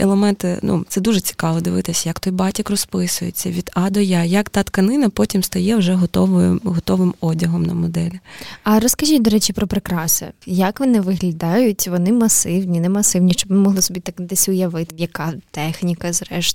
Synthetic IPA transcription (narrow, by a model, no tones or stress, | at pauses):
ɛ̰lˠemɛnt̪ɪnṵt̪sɛd̪uʒɛt͡sʲi̥kɑʋɔd̪ɪʋɪt̪ɪsʲɐjɐkt̪ɔjbɑtʲɐkrɔspɪsʊjet͡sʲːɐʋʲid̪ɑd̪ɔjajɐkt̪ɑt̪kɐnɪnɐpɔtʲimst̪ɔjɛwʒɛɦɔt̪ɔʋɔjɪmɦɔt̪ɔʋɪmɔdʲɐɦɔmnɐ̰mɔd̪ɛlʲɪɐɾɔskɐʒʲit̚ʲd̪ɔɾɛt͡ʃɪpɾɔpɾɪkɾɑsɛ̰jɐkʋɔnɪʋɪɦlʲɐd̪ɑjʊtʲʋɔnɪmɐsɪwnʲinɛmɐsɪwnʲiʃt͡ʃɔbnɪmɔɦlˠɪsɔbʲit̪aknd̪ɛsʲʊjɐʋɪt̪ɪjɐkɑt̪ɛxnʲikɐzɾɛʃt̪